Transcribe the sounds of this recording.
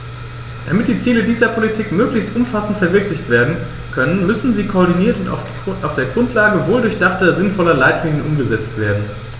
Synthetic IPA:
d̥a̰mɪt̚d̥iːt͡siːlədiːzɐpʰolitʰiːkmøːklɪçstʔʊmfasn̩tfɛɐvɪɐklɪçtv̥eːɐdn̩ | kʰœnənmʏsn̩ziːkʰoːɐdiniːɐtʊnt | ʔaʊfd̥eːɐɡʁʊntʰlaːɡəvoːldʊɐçd̥aχtɐzɪnfɔlɐlaɪtliːŋənʔʊmɡəzɛt͡stv̥eːɐdn̩

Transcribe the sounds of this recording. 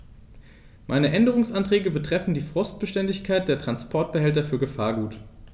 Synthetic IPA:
mʔa̰ɪnəʔɛndəʁ̞ʊŋsʔantʁ̥ɛːɡəbətʁ̥ɛfn̩diːfʁ̥ɔst̚b̥əʃtɛndɪçkʰaɪt̚d̥eːɐtʁ̥anspʰɔɐt̚b̥əhɛltɐfyːɐɡəfaːɐɡuːt

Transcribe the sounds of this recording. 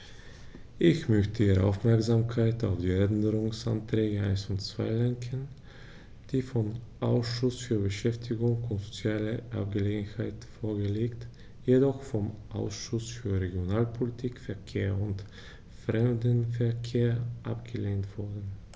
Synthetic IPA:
ʔɪçmœçtəiːʁəʔa̰ʊfmɛɐkzamkʰaɪta̰ʊfd̥iːɛndəʁʊŋsa̰ntʁ̥ɛːɡəaɪnsʊntt͡sv̥a̰ɪlɛŋkʰən | d̥iːfɔmʔaʊsʃʊsfyːɐbəʃɛftʰɪɡʊŋʊntz̥ot͡sjaːləʔa̰p̚ɡ̥əleːɡn̩haɪtfoːɐɡəleːkt | jedɔχfɔmʔa̰ʊsʃʊsfyːɐʁeɡjonaːlpʰolitʰiːkfɛɐkʰeːɐʊnt | fʁɛmdənfɛɐkʰeːɐʔa̰pɡ̥əleːntv̥ʊɐdn̩

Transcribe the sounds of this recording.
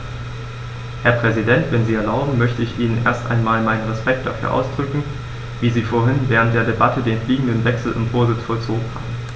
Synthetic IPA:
hɛɐpʁ̥ɛzidɛntv̥ɛnziːɛɐlaʊbm̩mœçtəɪçʔiːnənʔḛːɐstʔa̰ɪnmaːlmaɪnənʁɛspɛk̚t̚d̥afyːɐʔa̰ʊsd̥ʁʏkŋ̩ | viːziːfoːɐɦɪnvɛːʁ̞ənt̚d̥eːɐdebatədeːnfliːɡŋ̩dənvɛksl̩ʔɪ̰mfoːɐzɪt͡sfɔlt͡soːɡŋ̩ha̰ːb̩m̩

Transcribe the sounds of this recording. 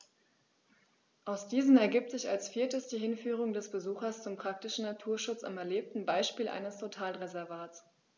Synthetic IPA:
ʔaʊsd̥iːzn̩ɛɐɡiːp̚tz̥ɪça̰lsfiːɐtəsd̥iːɦɪnfyːʁ̞ʊŋdɛsb̥əzuːxɐst͡sʊmpʁ̥ak̚tɪʃn̩natʰuːɐʃʊt͡sa̰mɛɐleːp̚tn̩baɪʃpiːlʔa̰ɪnəstʰotʰaːlʁezɛɐvaːtt͡s

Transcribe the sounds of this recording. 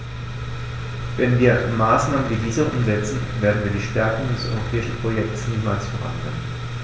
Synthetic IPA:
vɛnviːɐmaːsnaːməndiviːzɐʔʊ̰mzɛt͡sn̩veːɐdn̩viːɐdiːʃtɛɐkʊŋdɛsʔɔ̰ʏʁopʰɛːɪʃn̩pʁ̥ojɛk̚tsniːmaːlsfɛɐʁa̰nɡʁɛ̰mən

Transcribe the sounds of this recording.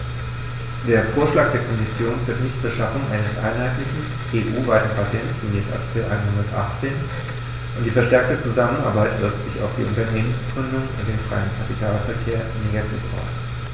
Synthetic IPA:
d̥eːɐfoːɐʃlaːk̚d̥eːɐkʰɔmɪsjoːnfyːɐtnɪçtt͡suːɐʃafʊŋʔa̰ɪnəsʔa̰ɪnɦaɪtlɪçn̩ | ʔeːʔuːvaɪtn̩pʰatʰɛnsɡ̥əmeːsa̰ɐtʰɪ̥kl̩ʔa̰ɪnhʊndɐtʔa̰χt͡seːn | ʔʊnt̚d̥iːfɛɐʃtɛɐk̚tət͡suzamənʔa̰ɐbaɪtv̥ɪɐk̚tz̥ɪça̰ʊfd̥ḭːʊntɐneːmənsɡ̥ʁʏndʊŋʊ̰nd̥eːnfʁ̥a̰ɪənkʰapitʰaːlfɛɐkʰeːɐneɡatʰḭːfʔa̰ʊs

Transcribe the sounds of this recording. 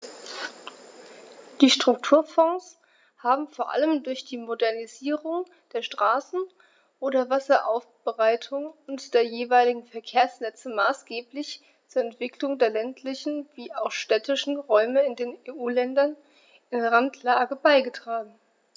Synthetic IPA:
d̥iːʃtʁ̥ʊk̚tʰuːɐfɔŋs | haːbm̩foːɐʔa̰ləmdʊɐçd̥iːmodɛɐniziːʁʊŋ | d̥eːɐʃtʁ̥aːsn̩ | ʔoːɾɐvasɐʔaʊfb̥əʁaɪtʰʊŋʊntd̥eːɐjeːvaɪlɪɡŋ̩fɛɐkʰeːɐsnɛt͡səmaːsɡ̥eːplɪç | t͡suːɐɛntv̥ɪklʊŋdeːɐlɛntʰlɪçn̩viːaʊxʃtɛtɪʃn̩ʁɔʏməɪndeːneːʔuːlɛndɐn | ɪnʁantʰlaːɡəbaɪɡətʁ̥aːɡŋ̩

